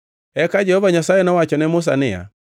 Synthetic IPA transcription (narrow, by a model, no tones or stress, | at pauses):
ɛkad͡ʒɛhɔvaɲasaɛnɔwat͡ʃɔnɛmos̬a̰nɛa̰